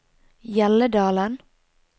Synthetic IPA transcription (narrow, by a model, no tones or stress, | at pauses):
jɛləd̪ɑːlən